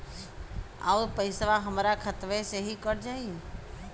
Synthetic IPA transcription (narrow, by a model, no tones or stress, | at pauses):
a̰upəɪsʋaɦəmɾakʰət̪ʋeseɦikəɽd͡ʒaːi